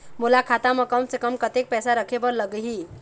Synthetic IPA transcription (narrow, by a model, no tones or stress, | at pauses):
mulakʰat̪amʌkʌmsekʌmkʌt̪ek̚pɛsaɾəkʰebəɾləɡəɦi